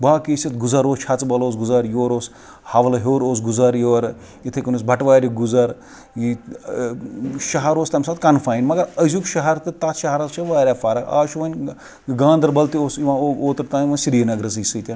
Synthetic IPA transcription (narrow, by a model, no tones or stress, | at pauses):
baːkisɐt̪ɡuzɐɾoːst͡ʃʰɐt͡sbɐloːs̬ɡuzɐɾjoːɾoːs | hɐʋɐlɐɦoːɾoːs̬ɡuzɐɾjoːɾ | it̪ʰekɐnusbʱɐʈʋaːɾʲiɡuzɐɾ | ji | ʃɐɦɐɾoːst̪ɐmsɐt̪kɐnfʰaːjnmɐɡɐɾɐzʲukʃɐɦɐɾt̪ɨt̪ɐt̪ʃɐɦɐɾɐzt͡ʃʰɐʋaːɾʲaːfaːɾɐa̰ːʃuʋɐnʲ | ɡãːnd̪ɐɾbɐlt̪ioːsiʋɐoːt̪ɐɾt̪aːniʋɐnsiɾinɐɡɾɐs̬ɨsɨːt̪ʲɐn